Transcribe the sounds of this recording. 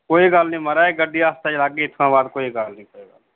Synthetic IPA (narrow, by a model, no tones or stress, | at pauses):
koːiɡalnĩːməɾaːeːɡəɖiːaːst̪ad͡ʒlaːɡeːt̪ʰkãːbaːd̪̚koːiɡalnĩːkoːiɡal